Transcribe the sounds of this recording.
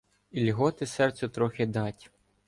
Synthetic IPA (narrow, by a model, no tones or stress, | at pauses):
ilʲɦɔt̪ɪsɛrt͡sʲɛt̪ɾɔxʲɪd̪ɑtʲ